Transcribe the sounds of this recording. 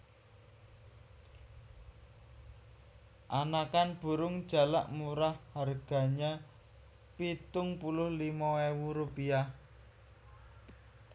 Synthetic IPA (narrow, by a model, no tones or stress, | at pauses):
ʔanakanb̥ṳɾʊŋd̥ʒ̥ä̤la̰ʔmuɾahharɡ̥a̤ɲa | pit̪ʊŋpulʊhlimawewuɾupiah